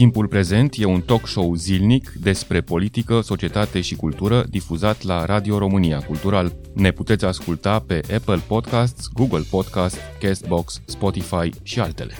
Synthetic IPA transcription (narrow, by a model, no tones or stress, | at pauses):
t̪impulpɾe̞ze̞nt̪je̞unt̪o̞kʃo̞wzilnikd̪e̞spɾe̞po̞lit̪ikəso̞t͡ʃie̞t̪at̪e̞ʃikult̪uɾəd̪ifuzat̪laɾad̪io̞ɾo̞mɨniakult̪uɾal | ne̞put̪e̞t̪sʲaskult̪ape̞ʔapəlpo̞d̪kas̬t̪sʲɡuɡəlpo̞d̪kast̪skest̪̚boksːpo̞t̪ifajʃialt̪e̞̰le̞̥